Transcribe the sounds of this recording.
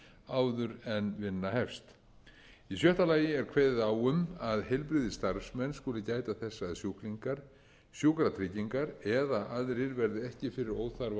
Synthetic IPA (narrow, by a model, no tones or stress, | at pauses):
aːwðʏɾɛnvɪnːahɛfst̪ | isjœht̪alaːjɪɛɾkʰvɛːððaːwʏmaðhɛjlpɾɪːðɪst̪aɾsmɛnskʊːlɪcaːjt̪aθɛsːaːðsjukliŋkaɾ̥ | sjukɾat̪ʰɾɪciŋkaɾɛðaʔaðɾɪɾvɛɾðɪɛhcɪfɪɾɪɾoːwθaɾv